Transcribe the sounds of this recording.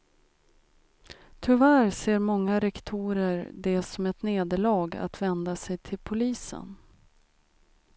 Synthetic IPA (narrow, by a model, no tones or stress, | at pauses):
t̪ʰʏvæːɾseːɾmɔŋːaɾɛkt̪ʰuːɾəɾɖɛsɔmɛt̪neːd̪əɭɑːɡa̰t̪vɛnd̪asɛjt̪ʰɪlpʰʊliːsə̰n